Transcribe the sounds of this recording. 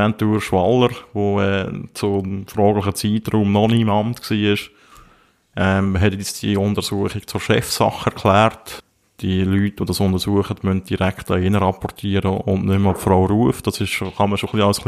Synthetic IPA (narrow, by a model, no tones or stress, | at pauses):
ɛntuːɾʃʋɑləɾʋoɛːt͡sʊfɾɔːɡlɪχət͡siːtruːmnɔniɪmɑmtksiːɪʃ | ʔɛɦɛtɛt͡sd̥iəʊndəɾsuəχik̚t͡sʊɾʃɛfsɑ̰χɛɾkʰlæːrt | d̥iəlyːtʋodɑsʊndəɾsuəχəd̥mœnt̚d̥iɾæktɑɪnəɾɑpɔrtʰiːəɾəʊ̰ndnʏmɑffraʊɾuəfd̥ɑsɪʃʃoχɑməʃoχliɑʊsχl